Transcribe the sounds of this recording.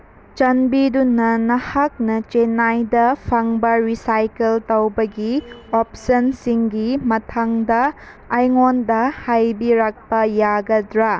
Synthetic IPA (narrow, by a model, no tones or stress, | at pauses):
t͡ʃɐnbidunɐnɐhak̚nɐt͡ʃenajdɐpʰɐŋbɐɾisajkeltɐwbɐɡiopsɐnsiŋɡimɐtʰaŋdɐː | jŋondɐhajbiɾak̚pɐjaɡɐdɾa